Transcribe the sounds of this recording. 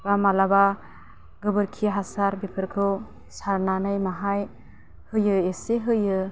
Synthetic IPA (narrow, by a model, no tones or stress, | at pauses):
bamalaba | ɡɯbɯɾkʰiɦasaɾbepʰɯɾkʰɯ | saɾnanɯjmaɦaj | hɯjɯeseɦɯjɯ